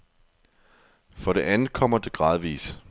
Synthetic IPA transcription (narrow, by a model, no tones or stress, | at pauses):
fʁɒ̽dɾe̝ʔænð̩ˠkʰɒ̽m̰ɐd̥e̝ɡ̥ʁɑ̈ːð̞ˠʋḭːs